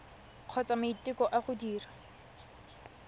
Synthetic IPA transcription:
q͡χʰɔt͡samaitɪkɔʔaχʊdiːra

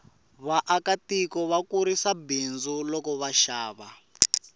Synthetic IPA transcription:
βaʔakatikɔβakuɾisabind͡zulɔkɔβaʃaːβa

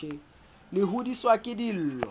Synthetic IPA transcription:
ɪ | lɪɦʊdiswakʼɪdil̩ːlɔ

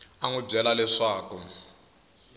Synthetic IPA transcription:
aŋub͡ʐɛlalɛʂaːkɔ

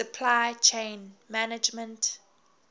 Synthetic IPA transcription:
əpʰlajt͡ʃʰẽɪnmanɪd͡ʒmə̃nt

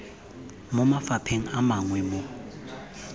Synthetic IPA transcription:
mʊmafapʰeŋ̩amaŋwɛmo

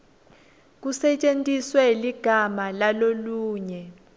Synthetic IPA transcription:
k̬usɛt͡ʃʼentʼiswɛliɡ̥ʱamalaloluːɲɛ

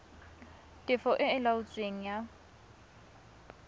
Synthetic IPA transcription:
tʼɪfɔʔɪɪlaʊt͡sʼweŋ̩ja

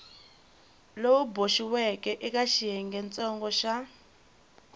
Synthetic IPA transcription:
louboʃiwɛkɛʔik̬ʼaʃiɛŋɡɛnt͡sʼɔŋɡɔʃa

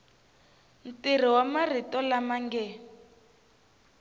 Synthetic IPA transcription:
n̩tir̤iwamaritɔlamaŋɡɛ

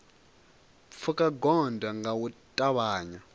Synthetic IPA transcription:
p̪fʰukʼaɡɔndaŋɡawutʼaβaːɲa

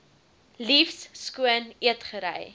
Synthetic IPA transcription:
lifsskuəniətχəɾɛ̰j

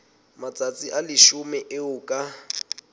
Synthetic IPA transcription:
mat͡sʼat͡sʼiʔalɪʃʊmɛʔɪʊkʼa

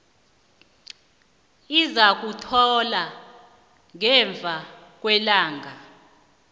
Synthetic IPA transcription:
izak̬utʰɔla | ŋɛɱb̪vʱak̬ʼwɛlaːŋʱa

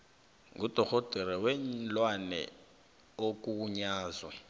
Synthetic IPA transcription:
ŋɡʱud̥ʱɔɣɔd̥ʱɛɾɛwɛnlwanɛ̰ | ok̬ʼuːɲaːzwɛ

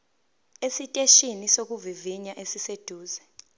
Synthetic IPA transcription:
esitʼeʃinisok̬ʼuviviɲaʔesised̥ʱuːzɛ

